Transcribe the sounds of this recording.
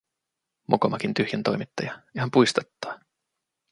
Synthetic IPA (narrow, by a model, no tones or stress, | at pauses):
mokomɑkint̪yhjænt̪o̞jmit̪ːɑjɑeɦɑmpujst̪ɑt̪ːɑ̥ː